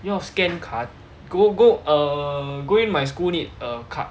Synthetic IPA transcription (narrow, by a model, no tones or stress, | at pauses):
jɔskɛ̃nkʰat̚ | ɡoɡoəɡoĩnmajskulnitəkʰa̰ʔ